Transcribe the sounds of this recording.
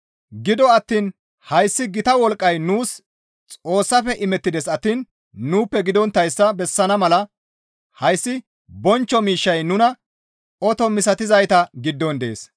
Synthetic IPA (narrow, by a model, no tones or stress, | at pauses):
ɡɪd̪ɔɐt̪ːiːn | hɐjsːɪɡɪt̪ɐwɔlkʼːɐjnuːs | t͡sʼo̞ːsːɐfɛʔɪmɛt̪ːɪd̪ɛsɐt̪ːiːnː | uːpːɛɡɪd̪ɔnt̪ːɐjsːɐbɛsːɐnɐmɐlɐ | hɐjsːɪ | bɔnt͡ʃːɔmiːʃːɐjnʊnɐ | ɔt̪ɔmɪsɐt̪ɪzɐjt̪ɐɡɪd̪ːɔnd̪e̞̰ːs